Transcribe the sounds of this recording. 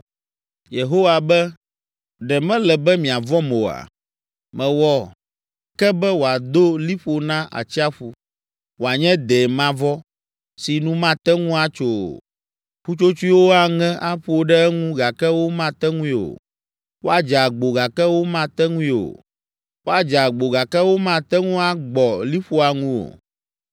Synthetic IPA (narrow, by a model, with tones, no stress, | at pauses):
je˨ɦo˦wa˨bɛ˦ | ɖɛ˨mɛ̃˦lɛ˨bɛ˦mĩ˨a˨vɔ˦mo˨a̰˨ | mɛ̃˨wɔ˦ | kɛ˦bɛ˦wo˨a˨d̪o˦li˦ɸo˨nã˦ʔa̰˨t͡ɕi˦a˦ɸu˦ | wo˨a˨ɲɛ̃˦d̪ɛ˨mã˦vɔ˦ | si˨nũ˦mã˦t̪ɛ˦ŋũ˦a˨t͡ʃo̰˨ | ɸu˦t͡ʃo˦t͡ʃu˦i˦wo˦a˨ŋɛ̃˦ʔa˦ɸu˦o˦ɖɛ˦ɛ˦ŋũ˦ɡa˨kɛ˦wo˦mã˦t̪ɛ˦ŋũ˦ĩ˦o̰˨ | wo˦a˨d͡ʒa˨ɡ͡bo˨ɡa˨kɛ˦wo˦mã˦t̪ɛ˦ŋũ˦ĩ˦o̰˨ | wo˦a˨d͡ʒa˨ɡ͡bo˨ɡa˨kɛ˦wo˦mã˦˨t̪ɛ˦ŋũ˦a˦ɡ͡bɔ˨li˦ɸo˦a˨ŋũ˦o̰˨